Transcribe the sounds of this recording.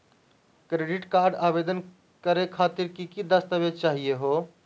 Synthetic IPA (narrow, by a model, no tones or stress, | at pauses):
kɾeɖiʈkaɾɖabed̪ən | kəɾekʰat̪iɾkikid̪əst̪əbet͡ʃaɦijeɦo